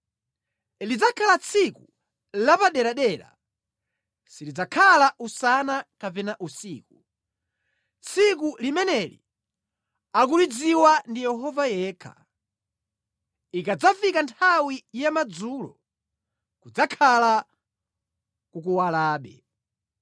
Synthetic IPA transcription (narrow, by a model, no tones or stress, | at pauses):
lid͡zakʰalat͡sʰiku | lapaɗɛɾaɗɛɾa̰ | silid͡zakʰalaʔusanakapɛnaʔusiːku | t͡sʰikulimɛnɛlḭ | ak̬ulid͡ziwandijɛɦɔvajɛːkʰa̰ | ikad͡zafikantʰawijamad͡zuːlɔ̰ | kud͡zakʰala | kukuwalaːɓɛ